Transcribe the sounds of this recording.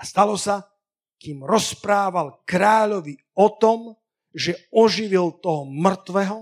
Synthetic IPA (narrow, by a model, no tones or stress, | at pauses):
ast̪alɔsa | kiːmɾɔspɾaːʋalkɾaːʎɔʋi | ɔt̪ɔm | ʒɛɔʒiʋilt̪ɔɦɔmr̩t̪ʋɛɦɔ